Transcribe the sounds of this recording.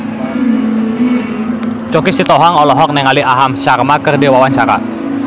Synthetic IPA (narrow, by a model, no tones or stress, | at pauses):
t͡ʃokisit̪ɔɦaŋɔlɔɦɔk̚nɛŋaliaɦamʃarmakərdiwawant͡ʃaɾa̰ʔ